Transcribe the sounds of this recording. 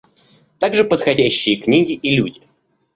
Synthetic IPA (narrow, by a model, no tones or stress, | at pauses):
t̪aɡʐɨpət̪xɐdʲæɕːɪjəknʲiɡʲɪʔilʲudʲɪ